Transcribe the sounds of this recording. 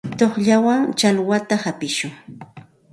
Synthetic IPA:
t̪oχʎawaŋt͡ʃalwat̪ahapɪʃʊŋ

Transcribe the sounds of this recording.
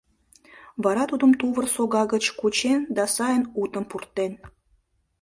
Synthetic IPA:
βɑɾɑt̪ud̪əmt̪uβərsoɣɑɣət͡ɕkut͡ɕend̪ɑsɑjənut̪əmpurt̪ːen

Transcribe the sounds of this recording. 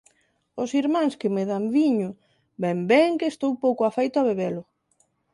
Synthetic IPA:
ʊsiɾmãŋskɪmeðamβiɲʊ | bɛmbɛŋkeːst̪owpowkʊafejt̪ʊaβeβelʊ

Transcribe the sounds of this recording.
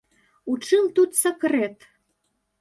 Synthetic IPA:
ut͡ʂɨlt̪ut̪sɐkret̪

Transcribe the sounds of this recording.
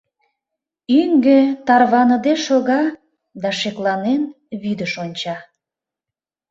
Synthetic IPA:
yŋɡet̪ɑrβɑnəd̪eʃoɣɑ | d̪ɑʃeklɑnen | βyd̪əʃonʲt͡ɕɑ

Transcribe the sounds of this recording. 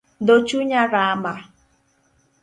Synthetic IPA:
d̪ot͡ʃuɲaɾama

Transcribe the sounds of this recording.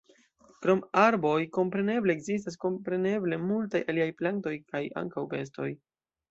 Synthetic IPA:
kɾo̞maɾbo̞jko̞mpɾe̞ne̞bleːɡzis̬tas̬ko̞mpɾe̞ne̞ble̞multajʔa̰liajplanto̞jkaja̰ŋkawpe̞s̬to̞j

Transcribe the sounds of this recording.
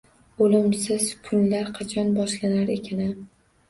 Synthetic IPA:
olɪmsɪz̥kʰʊnlaɾqʰɑt͡ʃʰɒnbɒʃlanaɾekʲʰanɪ

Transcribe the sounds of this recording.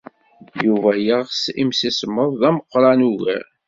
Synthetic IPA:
juvæjəʁsimsisəmːəðˤːæməqːɾˤɑnuɣə̰ɾ

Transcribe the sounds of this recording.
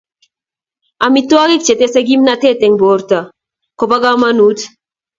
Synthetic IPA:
amit̪oaɡikt͡ʃɛt̪esɛɡimnat̪et̪eŋboɾt̪a | kopaɡamanut̪

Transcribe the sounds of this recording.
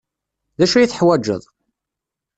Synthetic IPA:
ðæʃujiθəħwæd͡ʒːə̰ðˤ

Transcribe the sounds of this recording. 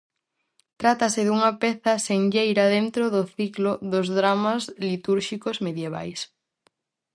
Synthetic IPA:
t̪ɾat̪ɐsɪðuŋɐpɛθɐseŋʎejɾɐðent̪ɾoðʊθiklʊðʊzðɾamazlit̪uɾʃikozmeðjeβ̞a̰js

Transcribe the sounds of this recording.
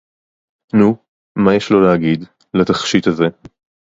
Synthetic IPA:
nu | majeʃlo̞leaɡid̪ | lat̪aχʃit̪haze̞

